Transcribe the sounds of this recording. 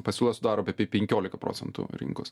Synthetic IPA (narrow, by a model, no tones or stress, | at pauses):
pɐsʲuːlˠɐsʊd̪ɑːɾoːɐpʲɛpʲepʲɛŋʲkʲoːlʲɪkɐpɾo̰ːsʲɛnt̪ʊ̰ɾʲɪ̰ŋko̰s